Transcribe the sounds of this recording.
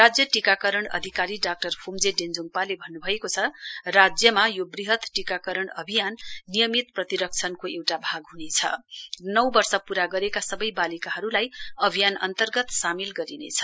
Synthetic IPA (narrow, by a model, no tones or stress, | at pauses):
rad͡zjʌʈikakʌɾʌɳʌ̰d̪ʱikaɾiɖak̚ʈʌrpʰumd͡zeɖend͡zuŋpalebʱʌnːubʱʌekot͡sʰʌrad͡zjʌmajobriɦʌt̪ʈikakʌɾʌɳʌbʱijanːijʌmit̪prʌt̪iɾʌk̚t͡sʰʌnkoewʈabʱaɡɦunet͡sʰʌ̰nʌwbʌrsʌpuɾaɡʌɾekasʌbʌjbalikaɦʌɾulajʌbʱijanʌ̰nt̪ʌrɡʌt̪samilɡʌɾinḛt͡sʰʌ̥